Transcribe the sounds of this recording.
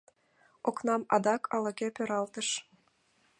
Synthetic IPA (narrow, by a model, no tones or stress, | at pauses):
oknɑmɑd̪ɑkʰɑlɤ̆kepʲøɾɑlt̪ə̆ʃ